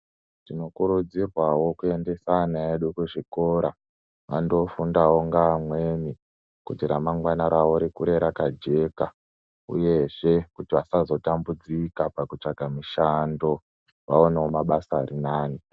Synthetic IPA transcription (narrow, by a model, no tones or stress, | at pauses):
tino̞kuɾud͡zirwawo̞kuende̞sanaeɗukuʐiko̞ːɾa | ʋando̞fundawo̞ŋɡaːmwe̞ni | kutiɾamaŋɡwanaɾawoɾikuɾe̞ɾakad͡ʒe̞ːka | ṵje̞ʐe̞kutiʋasazo̞tambud͡zikapakut͡ʂaɡʱamiʃando̞ | ʋaoneomaɓasaːɾinaːni